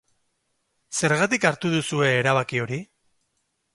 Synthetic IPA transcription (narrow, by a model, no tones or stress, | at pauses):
se̞ɾɣat̪ikaɾt̪uð̞usue̞ːɾaβ̞akio̞ɾi